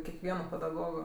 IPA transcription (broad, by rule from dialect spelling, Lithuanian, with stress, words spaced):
kʲɛkˈʋʲiɛnoː pʲɛdɐˈɡoːɡoː